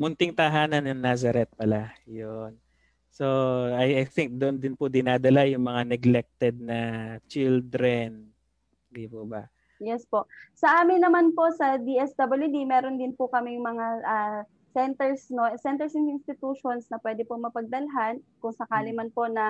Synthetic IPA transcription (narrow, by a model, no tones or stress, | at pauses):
mʊnt̪ɪŋt̪ɐɦaːnɐnjʊŋnaːzɐɾɛt̪̚pɐlajon | soajjθɪŋk̚d̪ʊʔnd̪ɪnpʊd̪ɪnaːd̪ɐlajʊŋmɐŋanɛɡlɛk̚t̪ɛd̪̚nɐt͡ʃild̪ɾɛn | d̪ipoba̰ | jɛspo̞ʔsɐʔaːmɪnːɐmanpo̞ʔsɐd̪iʔɛsd̪ɐbɐljud̪imɛːɾo̞nd̪ɪnpʊkɐmɪŋmɐŋaʔɐ | sɛnt̪ɛɹsnosɛnt̪ɛɹsɪnɪnst̪ɪt̪uːʃo̞nsnɐpwɛːd̪ɪpomɐpɐɡ̚d̪ɐlɦankʊŋsɐkaːlɪmanpo̞nɐ